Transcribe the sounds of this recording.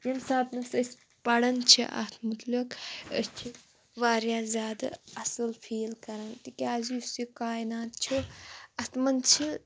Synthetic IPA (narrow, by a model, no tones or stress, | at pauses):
jimsaːt̪nɐsɐsʲ | pɐɽɐnt͡ʃʰiʔɐ̰t̪ʰmut̪likə̰st͡ʃʰi | ʋaːɾjaːzʲjaːd̪a̰ɐsɨlfʰiːlkɐɾɐnt̪ikʲaːziusikaːinaːt̪̚t͡ʃʰuɐt̪mɐnt͡ʃʰi